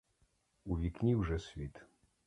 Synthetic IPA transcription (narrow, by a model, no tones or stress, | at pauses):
uvʲiknʲiwʐɛsʲvʲit̪